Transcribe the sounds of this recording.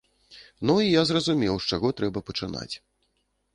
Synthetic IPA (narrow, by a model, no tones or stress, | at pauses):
nuijazrɐzumʲɛwʂt͡ʂaɣɔt̪ɾɛbɐpɐt͡ʂɨna̰t͡sʲ